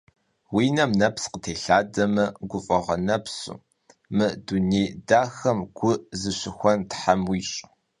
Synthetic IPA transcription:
wiːnɐmnɐpsqətʰeːɬaːdɐmɐɡʷʊfʼɐʁɐnɐpsṵː | mɨdunejdaːxɐmɡ̥ʷʊʔzɨɕɪxʷɔntħamwiːɕʼ

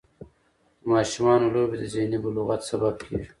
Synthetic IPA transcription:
d̪əmɑːʃumɑːnoloːbed̪əzenibuluɣat̪sabab̚kʰḛʒi

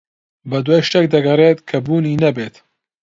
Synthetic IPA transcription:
bɐd̪weʃt̪ɛk̚d̪ɐɡɐreːt̪kʰɐbuːniːnɐbeːt̪

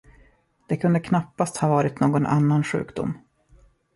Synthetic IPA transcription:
d̪̥ɛkʰɵnd̪əkʰnapːast̪hɑːvɑːɾɪt̪noːɡɔnʔa̰nːanɧʉ̟̰ːkd̪ʊ̰mː

